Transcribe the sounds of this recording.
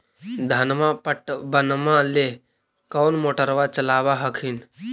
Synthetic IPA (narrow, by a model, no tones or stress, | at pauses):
d̪ʱənmãpʈbənmãle | kəwnmoːʈəɾʋat͡ʃəlaːʋaɦəkʰin